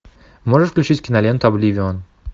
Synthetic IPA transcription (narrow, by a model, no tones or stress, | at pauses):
moʐəʂfklʲʉt͡ɕitʲkʲɪnɐlʲent̪ɐblʲivʲɪon